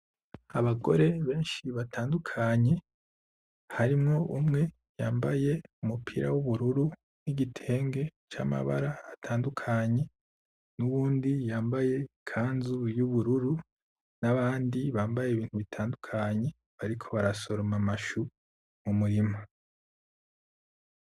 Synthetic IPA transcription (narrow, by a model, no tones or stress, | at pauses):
aβaɡo̞̰ɾe̞βe̞ːnʃiβataːndukʰaɲe̞ | haɾimŋo̞ʔumŋe̞ | jaːmbaje̞umupʰiɾa̰wuβuɾuɾu | niɟitʰe̞ːŋɡe̞t͡ʃa̰ma̰βa̰ɾaːtʰaːndukʰaɲe̞ | nuβuːndijaːmbaje̞kʰaːnzujuβuɾuɾu | naβaːndiβaːmbajeːβiːn̥huβitʰaːndukʰaɲe̞ | βaɾikʰoβaɾaso̞ɾomamaʃu | mumuɾimo